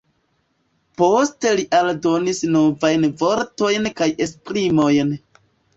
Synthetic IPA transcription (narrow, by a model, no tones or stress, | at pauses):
po̞ste̞liʔaldo̞nisno̞vajnvo̞ɾto̞jnkaje̞spɾimo̞jn